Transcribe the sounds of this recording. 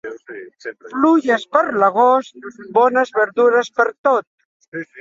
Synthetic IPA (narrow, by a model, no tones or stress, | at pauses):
pluʒəspəɾləɣ̞ost̪̚bɔnəzβəɾðuɾəspəɾt̪ot̪̚